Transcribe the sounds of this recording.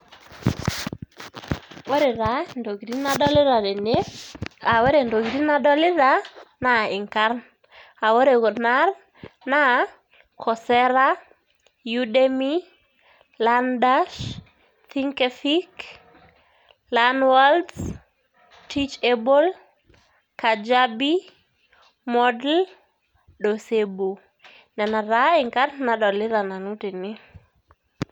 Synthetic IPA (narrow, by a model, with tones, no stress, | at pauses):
wɔ˦ɾɪ˨ɾa˨ndo˨ɡɾi˦na˦dɔ˦lɪ˦ɾa˨ɾɛ˨ne˦a˨we˦ɾe˨ndo˨ɡɾi˦na˦dɔ˦lɪ˦ɾa˦na˨ɪ˨ŋka˦ɾn | a˨wo˦ɾe˨ko˨na˦r | na˦ | kʰɔ˨sɛ˦ɾa˦ | ju˦de˦mi˦ | landa˦ʃ | θiŋkɛfik | lanwalds | tʰit͡ʃebo˦l | kad͡ʒabi | mɔdl | ɗɔsebo˨ | nɛ˨na˨ɾaɪ˨ŋka˦ɾna˨ɗɔ˨lɪ˦ɾa˨na˨nu˦ti˨nɪ˦